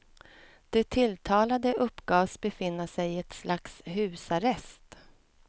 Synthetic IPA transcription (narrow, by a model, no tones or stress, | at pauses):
d̪̥ɛt̪ʰɪlt̪ʰɑːlad̪əʔɵpːɡɑːsbɛfɪnːəʂɛjɪɛt̪slaksɦʉ̟ːsaɾɛst̪